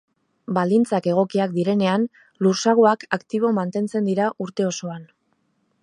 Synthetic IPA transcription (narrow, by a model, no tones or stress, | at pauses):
bald̪int͡sake̞ɣ̞o̞kiak̚d̪iɾe̞ne̞an | luɾsaɣ̞oakakt̪iβ̞o̞mant̪e̞nt͡se̞nd̪iɾaʔuɾt̪e̞o̞so̞an